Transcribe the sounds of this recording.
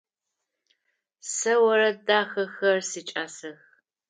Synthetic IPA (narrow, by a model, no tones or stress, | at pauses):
sɐwɐɾɐdaːxɐxɐrsit͡ʃʼaːsɐx